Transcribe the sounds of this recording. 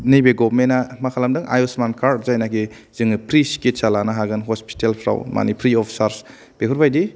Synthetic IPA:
nijbeɡɔbmenːamakʰalamdɯŋʔa̰jɔsmankʰaɾzajnaki | zɯŋɯpʰɾiskit͡ʃalanaɦaɡɯnɦɔspi̥telpʰɾa̰wma̰nipʰɾiɔpʰi̥saɾs | b̥ekʰuɾbajdi

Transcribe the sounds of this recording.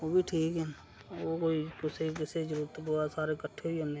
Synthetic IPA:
oːbʱiʈʰiːkɦɛː | okoːikɪsekɪsed͡ʒɾuːɾt̪oboɾasaːɾekəʈʰːeione

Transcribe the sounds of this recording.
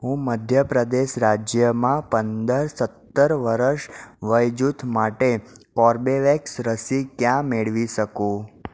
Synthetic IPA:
ɦũməd̪ʱjəpɾəd̪eʃɾad͡ʒjəmãpənd̪əɾsət̪ːəɾʋəɾəʃʋəjd͡ʒut̪ʰmaʈekɔɾbeʋɛksɾəsikjãmeɭʋiʃəkũ

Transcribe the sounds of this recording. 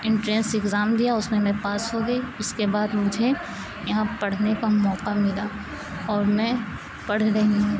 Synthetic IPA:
ɪ̃ɳʈɾeːsɪkzaːmd̪ijaʊsmẽmɛ̃paːsɦoɡɐiʊskebaːd̪mʊd͡ʒʱe | jɐɦãpɐɽ̤nekamɔːqamɪlaː | ɔːɾmɛ̃ | pɐɽ̤ɾeɦĩ

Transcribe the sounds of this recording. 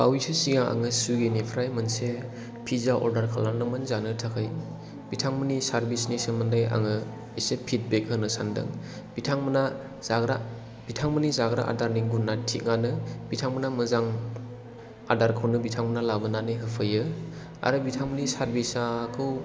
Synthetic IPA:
bawisɯsiŋaa̰ŋɯsuɡinipʰɾajmɯnse | pʰizaʔɔ̰ɾdaɾkʰalannɯmɯnzanɯtʰakʰɯj | b̥itʰaŋmɯnisaɾbisnisemɯndaja̰ŋɯ | isepʰit̚bek̚ɦɯnɯsandɯ̰ŋ | b̥itʰaŋməna | zaɡɾa̰ | b̥itʰaŋmɯnizaɡɾa̰ʔa̰daɾniŋɡunːatʰiŋanɯb̥itʰaŋmənamɯzaŋ | a̰daɾkʰɯwnɯbitʰaŋmənalabɯnanɯjɦɯpʰɯjɯ | a̰ɾɯbitʰaŋmənisaɾbisakʰɯw

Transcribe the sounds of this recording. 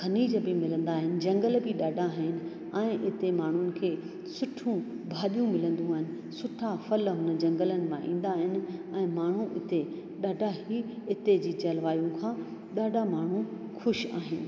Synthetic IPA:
kʰɐniːd͡ʑəbɪmɪlə̃nd̪aːɦɪnɪ̆d͡ʑɐ̃ŋɡəlbɪɗaːɖʱaɦɪnɪ̆ | ɛ̃ːʔɪt̪emaːɳ̤ʊnɪ̆kʰeː | sʊʈʰũ | bʱaːɗijũmɪlə̃nd̪ũaːɦɪnɪ̆ | sʊʈʰafɐlɦʊnəd͡ʑɐ̃ŋɡələnɪ̆mãʔḭ̃ːn̆d̪aːɦɪnɪ̆ɛ̃ːmaːɳ̤ũʔɪt̪e | ɗaːɖʱaɦiɪt̪ed͡ʑiːt͡ɕɐlʋaːjũkʰãːɗaːɖʱamaːɳ̤ũxʊʃa̰ːɦɪnɪ̆

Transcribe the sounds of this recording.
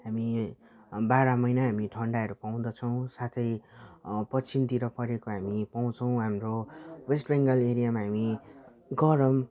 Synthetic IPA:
ɦami | baɾʌmʌjnaɦamiʈʰʌɳɖaʌɾupaw̃d̪ʌt͡sʰʌw̃sat̪ʰʌj | pʌt͡sʰimt̪iɾʌpʌɾekoɦamipaw̃t͡sʰʌw̃ɦamrowesʈbeŋɡʌleɾijamaɦami | ɡʌɾʌm

